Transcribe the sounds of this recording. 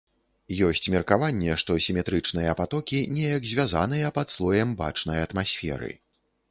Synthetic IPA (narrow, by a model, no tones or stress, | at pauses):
jɔsʲt͡sʲmʲɛrkavanʲːɛʂt̪ɔsʲimʲɛt̪ɾɨt͡ʂn̪ɨjɐpat̪ɔkʲinʲɛjɐkzʲvʲaza̰nɨjɐpɐt̪slˠɔjɛmba̰t͡ʂn̪ɐjɐt̪masʲfʲɛ̰ɾɨ̰